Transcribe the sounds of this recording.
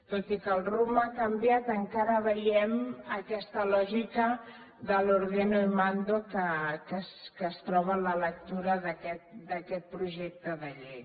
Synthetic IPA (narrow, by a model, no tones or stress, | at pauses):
t̪ot̪ikəːlˠrumakəmbjat̪əŋkaɾəβəjɛməkɛst̪əlɔʒikə | ðəloɾɣenoimand̪okəkəskəːst̪ɾɔβələlək̚t̪uɾəðəkɛt̪̚d̪əkɛt̪̚pɾuʒɛk̚t̪əðəʎej